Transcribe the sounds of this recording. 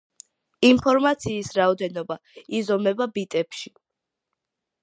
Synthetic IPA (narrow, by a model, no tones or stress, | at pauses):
inpʰɔɾmat̪sʰiːsɾaɔd̪ɛnɔbaizɔmɛbabit̪ʼɛpʃi